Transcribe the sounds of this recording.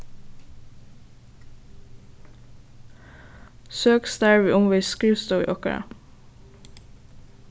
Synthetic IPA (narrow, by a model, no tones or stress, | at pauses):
søːksd̪æɹʋiːʔʊmʋɛɪskʉst̪əːḭːʔɔkə̰ɹɑ̰